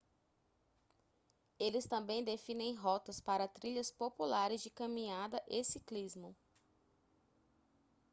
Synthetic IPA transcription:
elɪst̪ɐ̃mbẽj̃d̪efĩnẽj̃ɦɔt̪ɐspaɾɐt̪ɾiʎɐspopulaɾɪzd͡ʒɪkɐ̃mĩɲad̪ɐʔesiklizmʊ

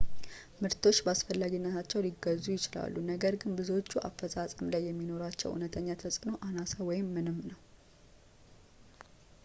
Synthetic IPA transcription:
mɨɾt̪ʰo̞t͡ʃːbəasfəlːaɡinːət̪ʰat͡ʃːɛwliɡːəzːujɪt͡ʃɪla̰lːunəɡəɾɡɨnbɨzo̞t͡ʃːuʔa̰fːəsʼasʼəmlajːɛmːino̞ɾat͡ʃːɛ̰wʔṵnət̪ʰəɲːat̪ʰəsʼɨno̞ʔanasəwɔjɪmːɨnɨmːnəw

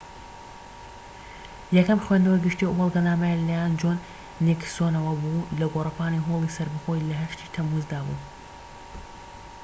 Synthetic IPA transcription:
jɛkɐmxweːnd̪ɐwɐɡɨʃt̪iubɐlˠɡɐnaːmɐjalajaːnd͡ʒoːnː | iksoːnɐwɐbulɐɡorɐpaːniɦoːlˠisɐɾbɨxojlɐɦɐʃt̪iːt̪ʰɐmuzd̪aːbṵː

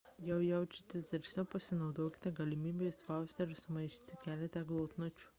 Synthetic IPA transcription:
jɛʊjɛʊt͡ʃʲɪt̪ʲɪsd̪ɐɾʲʃʲnʲɛʊpɐsʲɪnɐʊd̪oːkʲɪ̥t̪ʲɛɡɐlʲɪmʲiːbʲesʋɑˑʊsʲt̪ʲɛɾʲsʊmɐɪʃʲiːt̪ʲɪkʲæːlʲɛt̪ʲɛɡlˠoːt̪not͡ʃʲu̥

